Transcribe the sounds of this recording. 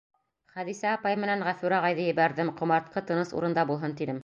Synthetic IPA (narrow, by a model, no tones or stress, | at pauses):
χæðisæːpɑjmɘ̆nænʁæfʉɾæʁɑjðɤjɘ̆βæɾðɘmqŏmɑɾt̪̚qɤt̪ɤ̆nɤsṵɾɤ̆nd̪ɑbulˠɦɤnt̪inɘm